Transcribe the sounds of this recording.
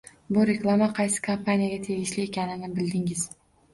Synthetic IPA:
bʊɾe̞klˠamaqʰɑjsɪ̥kʰampʰanijaɡʲat̪ʰe̞ɡʲɪʃlɪe̞kʲanɪnɪbɪld̪ɪŋɪz̥

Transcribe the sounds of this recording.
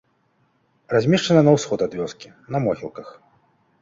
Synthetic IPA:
razʲmʲiʂt͡ʂɐnɐnɐwsxɔd̪ad̪vʲɔskʲi | nɐmɔɣʲilˠkɐx

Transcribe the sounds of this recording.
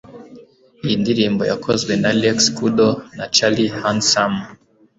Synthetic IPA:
indiɾimbɔjakʰɔzwɛnalɛkskuɗɔnat͡ʃalihansam

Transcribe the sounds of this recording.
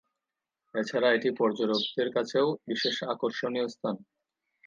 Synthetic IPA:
et͡ɕʰaɾaeʈipɔɾd͡ʑoɾokt̪eɾkat͡ɕʰeobiʃeʃakoɾʃonijost̪ʰan

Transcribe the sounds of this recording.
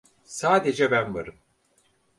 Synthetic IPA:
saːd̪e̞d͡ʒɛbænva̰ɾɯm

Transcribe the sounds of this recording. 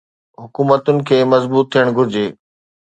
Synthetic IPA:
ɦʊkuːmət̪ʊnɪ̆kʰeːmɐzbuːt̪ʰːijəɽ̃ɡʱʊɾɪd͡ʑeː

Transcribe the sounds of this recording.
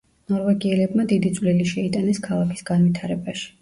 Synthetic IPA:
nɔɾvɛɡiɛlɛbmad̪id̪it̪sʼvliliʃɛit̪ʼanɛskʰalˠakʰi̥sɡ̥anvit̪ʰaɾɛbaʃi̥

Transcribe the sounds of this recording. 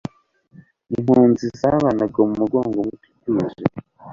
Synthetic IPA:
iŋuːnzizaβanaɡomumuɡoːŋɡomutu̥kuʒḛ

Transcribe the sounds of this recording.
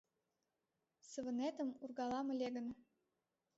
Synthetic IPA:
sə̆βə̆net̪əmurɣɑlɑmɤlʲeɣə̆n

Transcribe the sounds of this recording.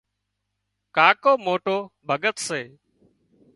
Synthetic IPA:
kaːkoːmoːʈoːbʱəɠət̪seː

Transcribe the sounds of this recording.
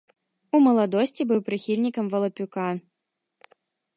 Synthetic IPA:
umɐlˠad̪ɔsʲt͡sʲibɨwpɾɨxʲilʲnʲikɐmvɐlˠɐpʲuka

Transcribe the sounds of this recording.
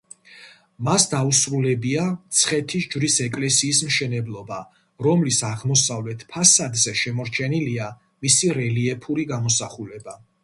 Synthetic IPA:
masd̪ausɾulɛbiat̪sʰχɛt̪ʰisd͡ʒvɾisɛkʼlɛsiːsmʃɛnɛblˠɔba | ɾɔmlisaʁmɔsavlɛt̪ʰpʰasad̪zɛʃɛmɔɾt͡ʃʰɛnilia | misiɾɛliɛpʰuɾiɡamɔsaχulɛba

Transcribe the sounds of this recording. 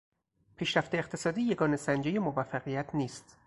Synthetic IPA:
pʰiːʃɾæft̪eːqt̪ʰe̞sɒːd̪iːje̞ɡɒːne̞sænd͡ʒejemovæfːæɣijæt̪ʰniːst̪

